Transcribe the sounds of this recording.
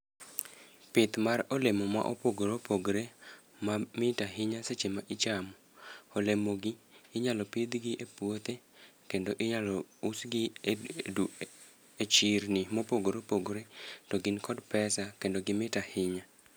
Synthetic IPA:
pɪt̪marɔlemoma̰ʔo̰poɡoɾopoɡɾe | mamɪtaɦɪɲaset͡ʃemaʔɪt͡ʃamɔ | olemoɡɪːɲalɔpɪd̪ɡɪʔepwot̪e | kendoʔɪɲalɔusɡɪedu | et͡ʃiɾnɪmopoɡoɾopoɡɾetoɡɪnkʰɔdpɛsakendoɡɪmɪtahɪɲa

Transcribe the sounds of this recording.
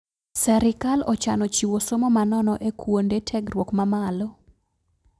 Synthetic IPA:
sɛɾɪkalɔt͡ʃanɔt͡ʃiwosomɔmanɔnɔʔekwondetʰɛɡrwokmamalɔ

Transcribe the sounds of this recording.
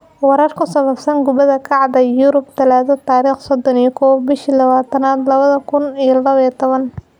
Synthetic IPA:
wɑɾɐrkʰʊsɐβɐbsɐnɡʊβɐðɐkʰɑʕd̪ɐjuɾʊbt̪ʰɐlaːðɔt̪ʰaːɾiːχsɔd̪ɔnijɔkʰɔːwbɪʃilɐβaːt̪ʰɐnaːd̪lɐβɐðɐkʰʊnijɔlɐβiːt̪ʰɔβɐn

